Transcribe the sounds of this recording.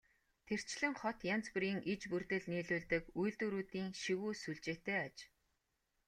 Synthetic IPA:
t̪ʰer̥t͡ɕɮɘ̆ŋχɔt̪jan̥t͡spɘ̆ɾiːŋʔit͡ɕpurt̪ɘ̆ɮniːɮuːɮt̪ɘ̆kujɮt̪uɾuːt̪iːŋʃiɣuːsuɮt͡ɕeːt̪eːat͡ɕ

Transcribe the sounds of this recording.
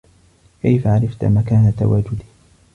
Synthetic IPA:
kajfaʕaɾɑft̪a̰makaːnat̪a̰waːd͡ʒʊd̪iː

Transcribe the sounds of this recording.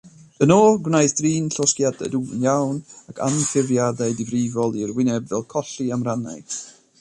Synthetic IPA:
ənɔːɡwnajθd̥riːnɬɔskjadɛ̰duənjawnakʰa̰nfɪvjadajdɪvrɪvɔlˠirwɪnɛbvɛlˠkʰɔɬiamrana̰j

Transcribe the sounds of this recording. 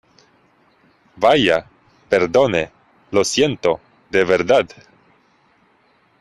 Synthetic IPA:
baja | pe̞ɾðo̞ne | lo̞sje̞nt̪o | d̪eβeɾðað

